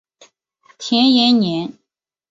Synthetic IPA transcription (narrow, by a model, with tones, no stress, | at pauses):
t̪ʰjɛ˧˥njɛ˧˥nnjɛ˧˥n